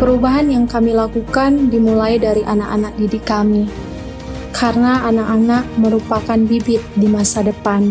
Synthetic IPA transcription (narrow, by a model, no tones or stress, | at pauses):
pəɾubaɦanjaŋkamilakukandimulajdaɾiʔanakanak̚didikami | kʰarənaʔːnakanak̚məɾupakanbibɪt̪̚dimasadəpan